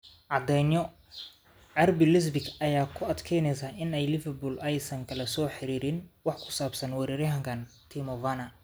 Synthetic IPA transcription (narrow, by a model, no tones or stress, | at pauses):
ʕɑd̪ɛjnjɔ | ʕɛrbɪlɪs̬bɪkɐjaːkʰʊɐd̪kʰɛjnɛjsaːɪnɛjlɪfɛrbʊːlɛjsɐŋkʰɐlɐsɔːħɪɾiːɾɪnwɑħkʰʊ̥saːbsɐnwɛɾiːɾɐɦɐŋkʰɐnt̪ʰimɔvanɐ